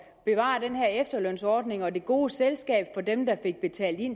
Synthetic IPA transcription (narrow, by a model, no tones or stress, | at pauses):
b̥e̝ʋɑ̰̈d̥enɦæɐ̰efd̥ɐlœn̰sɒːd̥ne̝ŋɒ̽de̝ɡ̥o̝ːselsɡ̥ɛ̰ːb̥fɒ̽demd̥ɑ̈fe̝ɡ̥̚b̥e̝t͡sʰɛ̰ːld̥in